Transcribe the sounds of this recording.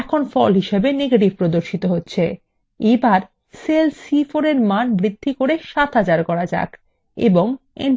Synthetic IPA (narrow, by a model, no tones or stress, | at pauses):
ɛkʰonfɔlɦiʃebeneɡeʈib̚pɾod̪oɾʃit̪oɦotːɕʰe | ebaɾ | selsifoɾeɾmanbɾid̪ʱːikoɾeʃat̪ɦad͡ʑaɾkɔɾad͡ʑa̰kʰ | ḛboŋḛn